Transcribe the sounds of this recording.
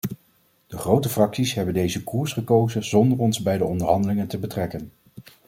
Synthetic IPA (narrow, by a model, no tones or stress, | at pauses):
d̥əχrowtəfrɑksisɦɛbəndejzəkuːɹsχəkowzənzɔndərɔnzbɛjdəɔndəɹɦɑndəlɪŋəntəbətrɛkən